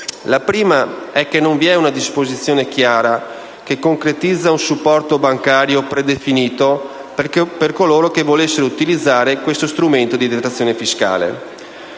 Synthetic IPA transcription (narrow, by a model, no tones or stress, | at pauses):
lapɾiːmaɛkːenːoɱviɛunad̪ispozit̪sːjoːnek̟jaːɾa | kekːoŋkɾet̪id̪zːaunsupːɔrt̪obaŋkaːɾjopɾed̪efiniːt̪o | perkoloːɾokevolesːeɾout̪ilid̪zːaːɾekwest̪ost̪ɾument̪od̪id̪et̪at̪sːjoːnefiska̰ːlḛ